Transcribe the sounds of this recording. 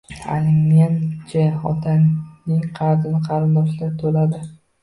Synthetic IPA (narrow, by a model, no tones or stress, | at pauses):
a̰lɪŋːant͡ʃʰaɒt̪ʰaŋnɪŋqʰɑɾd̪ɪnɪqʰɑɾɪnɒʃlaɾt̪ʰolad̪ɪ